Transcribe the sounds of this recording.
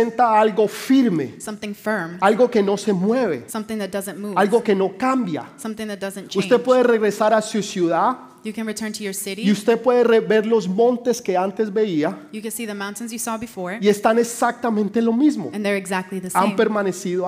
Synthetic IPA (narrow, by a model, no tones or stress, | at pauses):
ent̪aalɡo̞fiɾme̞̰sʌ̃mθɪ̃ŋfɜ̃˞malɡo̞ke̞no̞se̞mwe̞βe̞sʌ̃mθɪ̃ŋðɨt̚d̥ʌzɨ̃nmualɡo̞ke̞no̞kambja̰sʌ̃mθɪ̃ŋðɨt̚d̥ʌzɨ̃nt͡ʃʰust̪e̞pwe̞ðere̞ɣɾe̞saɾasusjuða | jɨkɨ̃nɹitʰɜ̃˞ntʰɨjə˞sɪɾiiust̪epwe̞ðereβe̞ɾlo̞zmõ̞nt̪e̞ske̞ant̪e̞zbe̞iajɨkɨ̃nsiðɨmãʊ̃ntɨ̃n̩zjɨsɔbɨfɔɹie̞st̪anesak̚t̪amẽ̞nt̪e̞lo̞mizmoɨ̃nðə˞ɨɡzæk̚tˡliðɪampe̞ɾmane̞siðo